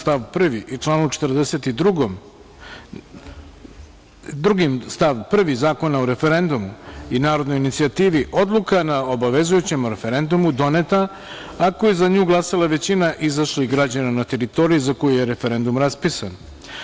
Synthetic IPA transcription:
st̪aʋpr̩ʋit͡ʂlˠaːnut͡ʃe̥t̪rd̪ese̞t̪id̪ɾuɡom | d̪ɾuɡimst̪aʋpr̩ʋizaːko̞naoɾe̞fe̞ɾe̞nd̪umuinaːɾo̞d̪no̞jinit̪siat̪iːʋiʔo̞d̪lˠukanao̞baʋe̞zujut͡ɕe̞mɾe̞fe̞ɾe̞nd̪umud̪o̞net̪a | akojezaɲuːɡlˠasalˠaʋe̞t͡ɕinaʔizaʃliɡɾad͡ʑananat̪e̞ɾit̪o̞ɾijizako̞jujeɾe̞fe̞ɾe̞nd̪umɾaspisan

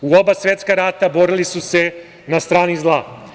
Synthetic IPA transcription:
uo̞basvje̞t̪skaɾaːt̪abo̞ɾilisuse̞ | nast̪ɾaːnizlˠaː

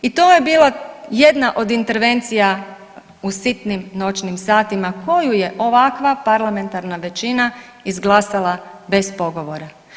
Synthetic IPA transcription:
it̪oːje̞biːlˠaje̞d̪naʔo̞d̪int̪e̞ɾʋe̞nt̪sija | usit̪nimno̞t͡ʃnimsaːt̪imakʰo̞juje̞ʔo̞ʋakʋapaɾlˠame̞nt̪aɾnaʋe̞t͡ʃina | izɡlˠasalˠabe̞spo̞ɡo̞ʋoɾa

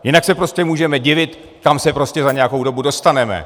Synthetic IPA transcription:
jɪnaksɛpɾo̞scɛmuːʒɛmɛɟɪvɪt̪ | kamsɛpɾo̞scɛzaɲɛako̞wdo̞budo̞st̪anɛmɛ̰

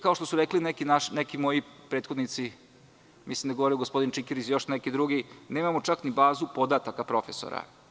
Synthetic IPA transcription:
kao̞ʂt̪o̞suɾeklinekinaʃnekimo̞jipɾeːt̪xo̞d̪nit̪si | mislimd̪aɡooɾijuɡospo̞d̪int͡ʃikiɾisjo̞ʃnekid̪ɾuɡineːmamot͡ʃaknibaːzupo̞d̪at̪akapɾo̞feso̰ɾa̰

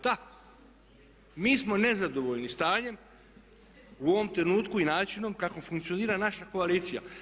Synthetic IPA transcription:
d̪̥a | miːsmo̞ne̞zad̪o̞ʋo̞ʎnist̪aːɲe̞m | uo̞ʋo̞mt̪ɾe̞nuːt̪kuinaːt͡ʃino̞mkako̞fuŋkt̪sio̞niːɾanaʃako̞aliːt̪sija̰

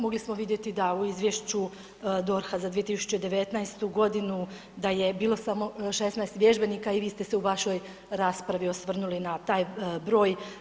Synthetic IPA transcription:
mo̞ɡlismo̞ʋid̪je̞t̪id̪auizʋjeʃt͡ɕu | d̪o̞ɾxazad̪ʋije̞t̪isu̥t͡ɕed̪e̞ʋe̞t̪naest̪uɡo̞d̪inu | d̪aje̞biːlˠo̞samo̞ʃesnaest̪ʋje̞ʒbe̞niːkaiʋiːst̪e̞se̞uʋaʃo̞j | ɾaːspɾaʋiosʋr̩nulinat̪aːjbɾo̞ːj

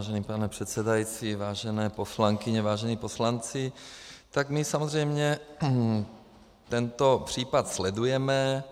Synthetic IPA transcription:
aʒɛniːpanɛpr̝̥ɛt̪sɛdajit͡sivaːʒɛnɛːpo̞slaŋkɪɲɛvaːʒɛnipo̞slant͡sɪt̪aɡmɪsamozrɛjmɲɛ | t̪ɛnt̪o̞pr̝̥iːpat̪slɛdujɛmɛ

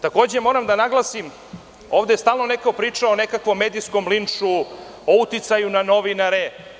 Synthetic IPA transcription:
t̪ako̞ːd͡ʑemo̞ːɾamd̪anaɡlˠasim | o̞ːʋd̪est̪aːlˠno̞nekopɾiːt͡ʂaone̞kakʋo̞mːed̪iskomlinʃu | out̪it̪sajunano̞ʋinaɾe

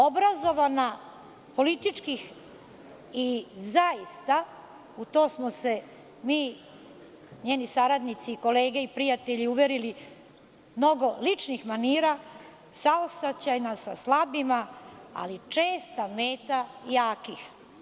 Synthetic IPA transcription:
o̞bɾazo̞ʋana | po̞lit̪it͡ʂkix | izajist̪a | ut̪oːsmose̞ | miː | ɲeːnisaɾad̪nit̪siːko̞leːɡeipɾijat̪eʎiuʋeɾili | mno̞ɡo̞lit͡ʂnixmaniːɾa | saosat͡ɕajnasa̰slˠabimaa̰lit͡ʂeːst̪ameːt̪ajaːkix

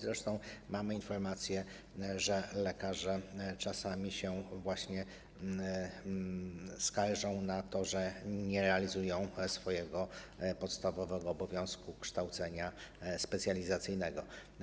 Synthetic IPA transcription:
zɾɛʂt̪ɔ̃w̃mamɘinfɔɾmat̪sʲjɛ | ʐɛlɛkaʐɛt͡ʂasamʲiɕɛvwaɕɲɛ | skaɾʐɔ̃w̃nat̪ɔʐɛɲɛɾɛalʲizujɔ̃w̃sfɔjɛɡɔpɔt̪st̪avɔvɛɡɔːbɔvʲjɔ̃w̃skukʂt̪awt̪sɛɲaspɛt̪sʲjalʲizat̪sɘjnɛɡɔ

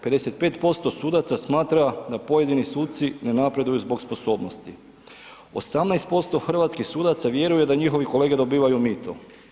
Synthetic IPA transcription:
pe̞d̪e̞se̞t̪̚pe̞ːt̪po̞st̪o̞suːd̪at̪sasmaːt̪ɾad̪apo̞je̞d̪inisuːt̪t̪sine̞napɾe̞d̪ujuzbo̞kspo̞so̞ːbno̞st̪i | o̰samnajst̪po̞st̪o̞xr̩ʋat̪skixsuːd̪at̪saʋje̞ɾuje̞d̪aɲixo̞ʋikole̞ːɡe̞d̪o̞biːʋajumit̪ʰo̰

